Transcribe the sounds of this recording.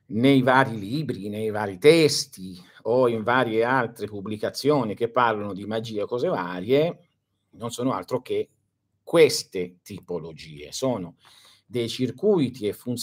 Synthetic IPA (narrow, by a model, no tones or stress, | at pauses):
nejvaːɾiliːbɾinejvaːɾit̪ɛst̪i | oiɱvaːɾjealt̪ɾepubːlikat̪sːjoːnik̟epːarlanod̪imad͡ʒiːekɔːzevaːɾje | nonsɔːnoa̰lt̪ɾok̟e | kːwest̪et̪ipolod͡ʒḭːḛsɔːno | d̪ejt͡ʃirkujt̪iefunt̪